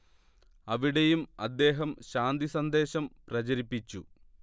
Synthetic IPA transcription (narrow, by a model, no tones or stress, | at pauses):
ɐʋiɽejumɐd̪ːe̞ːɦɐmɕaːnd̪isɐnd̪e̞ːɕɐmprɐt͡ɕɐɾipːit͡ɕːṵ